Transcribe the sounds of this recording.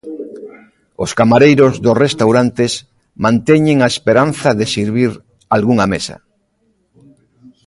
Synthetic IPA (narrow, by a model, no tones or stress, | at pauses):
oskamaɾejɾozðosrest̪awɾant̪es | mãnt̪eɲeŋaespeɾanθaðesiɾβ̞iɾ | alɣuŋamesa̰